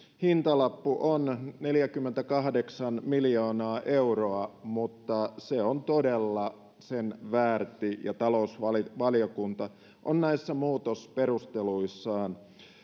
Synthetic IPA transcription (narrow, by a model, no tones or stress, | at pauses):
hint̪ɑlɑpːuʔonneljækymːent̪ækɑɦdeksɑnmiljoːnɑːʔeuroɑmut̪ːɑseont̪odelːɑ | senʋæːrt̪ijɑt̪ɑlousʋɑlʋɑlijokunt̪ɑ | ʔonnæisːæmuːt̪osperust̪eluisːɑːn